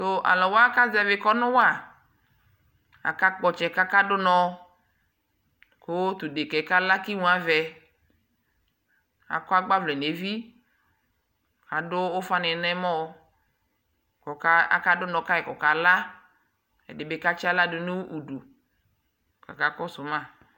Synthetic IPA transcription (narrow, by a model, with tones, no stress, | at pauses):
to˦ʔa̰˨lɔ˨wa˦ka˦zɛ˨vɪ˨kɔ˦nʊ̃˦wa˦˨ | a̰˨ka˦k͡pɔ˨t͡ʃɛ˨ka˦ka˦dʊ˦nɔ̃˨˦ | ko˦t̪ʊ˨de˨kɛ˨ka˦la˦ki˦ŋũ˨˦a˨vɛ˨ | a̰˨kɔ˦a˦ɡ͡ba˦vlɛ˨ne˨vi˦ | a˨dʊ˦o˦fa˦nɪ˨nɛ˦mɔ˦ | kɔ˨ka˦a̰˦ka˦dʊ˦nɔ̃˨ka˦ɛ˨kɔ˨ka˨la˦ | ɛ̰˨dɪ˨be˦ka˦t͡ʃi˦a˦la˦dʊ˦nu˦wʔu˨du˨ | ka̰˨ka˦kɔ˦sʊ˨mã˦˨